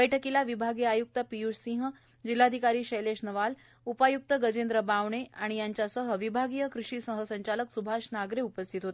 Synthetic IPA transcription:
bəjʈʰəkilaʋibʱaɡijajuk̚t̪əpijuʂsĩŋɦ | d͡ʑilːad̪ʱikaɾiːɕejleʂnəʋal | upajuk̚t̪əɡəd͡ʑend̪ɾəbaʋɳeaɽ̃ijaɲt͡ɕjasəɦəʋibʱaɡijəkɾuʂiːsəɦəsəɲt͡ɕaləksubʱaʂnaɡɾeupəst̪ʰit̪ɦot̪e

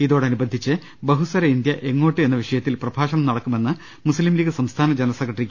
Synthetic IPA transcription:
iðoːɽeɐnubɐnd̪ʱit͡ɕːɨ | bɐɦusɐɾɐind̪jɐʔe̞ŋːo̞ːʈːɨe̞nːɐʋiʂɐjɐt̪ːilprɐbʱaːʂɐɳɐmnɐɽɐkːume̞nːɨ | muslimliːɡɨsɐmst̪ʰaːnɐd͡ʑenɐɐsɐkːɐʈːrikʲː

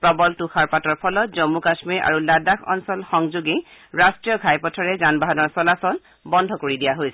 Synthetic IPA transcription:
pɹɔbɔltuxaɹpatɔɹpʰɔlɔt̚zɔmːukasmiɹa̰ɹuladakʰɔ̰nsɔlxɔŋzuɡiɹastɹijɔɡʱajpɔtʰɔɹɛzanbaɦɔnɔɹsɔlasɔn | bɔndʱɔkoɹidijaɦojsɛ

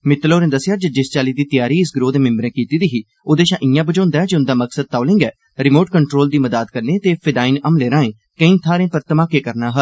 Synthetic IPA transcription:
mɪt̪loːɾẽːd̪əsjaːd͡ʒəd͡ʒɪst͡ʃaːliːd̪iːt̪ɪjaːɾiːɪsɡɾoːd̪eːmɪ̃mbɾɛ̃ːkiːt̪iːd̪iːɦiː | od̪eːʃãːʔɪ̃jãːbəd͡ʒõːnd̪aːɛːd͡ʒʊ̃nd̪aːməksəd̪̚t̪aːlɪ̃ːŋɡɛː | ɾɪmoːʈkəɳʈɾoːld̪iːməd̪aːd̪kəɾneːt̪eːpʰɪd̪aːiːnəmleːɾãːẽː | kəĩːt̪ʰaːɾẽːpəɾt̪əmaːkeːkəɾnaːɦəl

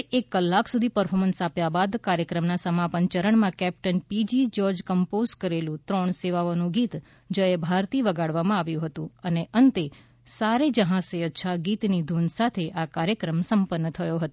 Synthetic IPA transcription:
ekːəlːakʰsud̪ʱipəɾfʰɔmənsapjabad̪kaɾjəkɾəmnasəmapəɲt͡ʃəɾəɳmãkɛp̚ʈənpid͡ʒid͡ʒɔɾd͡ʒkəmpozkəɾelũt̪ɾɔɳ̃seʋaʋonũɡit̪ | d͡ʒəebʱaɾt̪iʋəɡaɽʋamãaʋjũɦət̪ũəneʔənt̪e | saɾed͡ʒəɦãseətːʃʰaɡit̪nid̪ʱunsat̪ʰeʔakaɾjəkɾəmsəmpənːət̪ʰəjoɦət̪

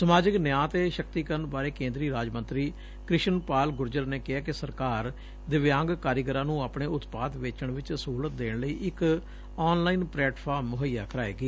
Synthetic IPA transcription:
səmaːd͡ʒɪknjãːt̪eːʃəkt̪iːkəɾənbaːɾeːkẽːnd̪ɾiːɾaːd͡ʒmə̃nt̪ɾiː | kɾɪʃənpaːlɡʊɾd͡ʒəɾneːkɪɦaːkɪsəɾkaːɾ | d̪ɪʋjãːŋɡkaːɾɪɡəɾãːnũːaːpɳeːʊt̪paːd̪ʋeːt͡ʃəɳʋɪt͡ʃsəɦuːlət̪̚d̪eːɳləiːʔɪk | ɔːnlaːiːnpɾɛːʈpʰaːɾmːʊɦəjːaːkəɾaːḛːɡeː

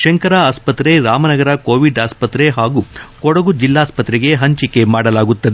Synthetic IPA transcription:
ʃɐŋkɐɾɐaːspɐt̪ɾe̞ɾaːmɐnɐɡɐɾɐkoːʋiɖaːspɐt̪ɾe̞ɦaːɡukɔɽɐɡud͡ʒilːaːspɐt̪ɾeɡe̞ɦɐɲt͡ʃike̞maːɽɐlaːɡut̪ːɐd̪e

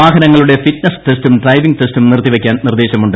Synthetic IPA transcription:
aːɡɐnɐŋːɐɭuɽe̞fitnɐstestumɖrɐjʋiŋɡɨte̞stumnirt̪ːiʋekʲːaːnnird̪eːɕɐmuɳɖɨ

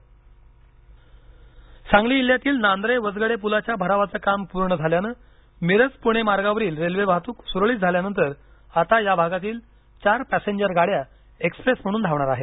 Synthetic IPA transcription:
sãŋɡliːiljat̪iːlnand̪ɾejʋəd͡zɡəɽepulat͡ɕjabʱəɾaʋat͡səːkampuɾɳəd͡zʱaljanəː | miɾət͡spuɽ̃emaɾɡaʋəɾiːlɾelʋebʱat̪uːksuɾɭiːt̪̚d͡zʱaljanənt̪əɾ | at̪ajabʱaɡat̪iːl | t͡ɕaɾpæseɲd͡ʑəɾɡaɽja | ekspɾesm̤əɽ̃uːnd̪ʱaʋɳ̃aɾaɦet̪

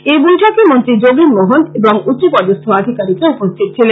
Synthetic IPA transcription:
ebojʈʰakemont̪ɾid͡ʑoɡiɾmoɦoneboŋut͡ɕopɔd̪ost̪ʰoad̪ʱikaɾikɾeupost̪ʰit̪̚t͡ɕʰilen

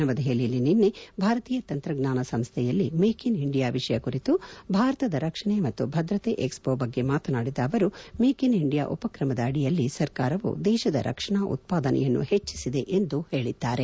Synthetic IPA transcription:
ɐʋɐd̪ɐjelilːininːebʱaːɾɐt̪iːjɐt̪ɐnt̪ɾɐɡnaːnɐsɐmst̪ʰɛjɐlːimeːkiniɳɖijaːʋiʂɐjɐkuɾit̪ubʱaːɾɐt̪ɐd̪ɐɾɐkʂɐɳemɐt̪ːubʱɐd̪ɾɐt̪eːʔekspoːbɐɡːe̞maːt̪ɐnaːɽid̪ɐːʋɐɾumeːkiniɳɖija̰ːʔupɐkɾɐmɐd̪ɐɐɽijɐlːisɐɾkaːɾɐʋṵd̪ɛːʃɐd̪ɐ̰ɾʔɐ̰kʂɐɳaːʔṵt̪̚paːd̪ɐnʔɛ̰jɐnːṵhe̞t͡ʃːi̥sid̪e̞ʔend̪uhe̞ːɭid̪ːaːɾe

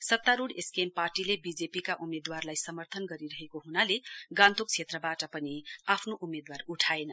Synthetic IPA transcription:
sʌt̪ːaɾuɽeskemparʈilebid͡zepikaʔumed̪warlajsʌmʌrt̪ʰʌnɡʌɾiɾʌɦekoɦunaleɡãnt̪ʰuk̚t͡sʰet̪rʌbaʈʌpʌniapʰnoʔumed̪waruʈʰaenʌ

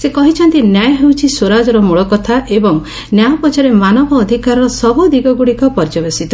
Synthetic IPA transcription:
sekɔɦit͡ʃʰɔnt̪injajɔɦewt͡ʃʰiswoɾad͡ʒɔɾɔmuɭɔkɔt̪ʰaʔebɔŋ | njajɔpɔt͡ʃɔɾemanɔbʱɔːd̪ʱikaɾɔɾɔsɔbud̪iɡɔɡuɽikɔpɔɾd͡ʒɔbesit̪ɔ

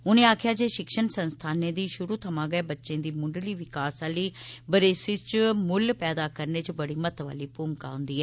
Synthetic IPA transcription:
ʊnẽːaːkʰjaːd͡ʒeːʃɪkʃənsənst̪ʰaːnẽːd̪iːʃʊɾuːt̪ʰəmãːɡɛːbətːʃẽːd̪iːmʊ̃ɳɖliːʋɪkaːsaːliːbəɾeːsit͡ʃmʊlpɛːd̪aːkəɾneːt͡ʃbəɽiːmət̪ʋa̰ːliːpuːmka̰ːʊ̃nd̪iːɛː

